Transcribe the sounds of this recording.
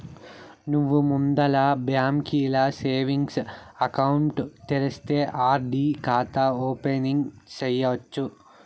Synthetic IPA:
nuʋːumund̪ɐlabjaːmkiːlɐseːʋiŋɡsɐkɐwuɳʈt̪eɾɐst̪eːʔaːɾɖikaːt̪aːoːpeniŋɡt͡ʃejːɐʋɐt͡ʃːu

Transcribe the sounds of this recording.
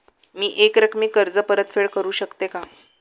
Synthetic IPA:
miːʔekɾəkʰmiːkəɾd͡zəpəɾət̪feɭkəɾuːɕəkt̪eka

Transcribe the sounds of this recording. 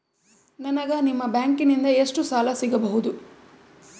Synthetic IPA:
nɐnɐɡɐnimːɐbjaːŋkinind̪ɐeʂʈusaːlɐsiɡɐbɐɦud̪u

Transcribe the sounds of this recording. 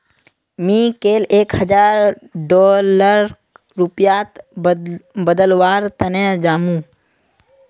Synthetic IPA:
mĩːkeːleːkhəd͡ʒaːɾɖɔːləɾ | ɾupjaːt̪ | bəd̪əlwaːɾt̪ənẽd͡ʒaːmũː

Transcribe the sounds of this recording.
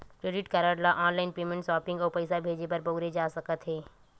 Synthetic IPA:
kɾeːɖɪʈkəɾəɽlaʔɔːnlaːɪnpeːmẽɳʈsɔːpɪ̃ŋɡɔːɾpɐɪsabʱeːd͡ʒepɐɾpoːɾed͡ʒaːsɐkət̪ɦɛː

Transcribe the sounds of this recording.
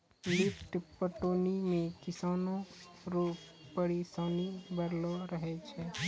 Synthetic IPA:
lɪpʰʈpəʈoːnimẽkɪsaːnõ | ɾuːppəɽisaːnibəɾloɾəɦet͡ʃʰɛ

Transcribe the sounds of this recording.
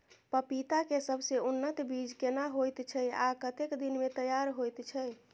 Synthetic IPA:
pəpit̪akesəbʱseunːət̪bid͡ʒkenaɦojt̪t͡ʃʰɛakət̪ekd̪inmet̪əjaɾɦojt̪t͡ʃʰɛ

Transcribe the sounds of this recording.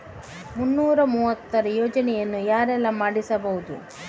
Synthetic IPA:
munːuːɾɐmuːʋɐt̪ːɐɾɐjoːd͡ʒɐnɛjɐnːujaːɾɛlːɐmaːɽisɐbɐɦud̪u

